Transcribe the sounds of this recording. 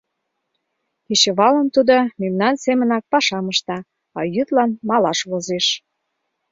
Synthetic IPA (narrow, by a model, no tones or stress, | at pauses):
kiɕə̆βɑlə̆mt̪ud̪omemnɑnsemə̆nɑk̚pɑʃɑməʃt̪ɑ | ɑ̰jyt̪lɑnmɑlɑʃβozeʃ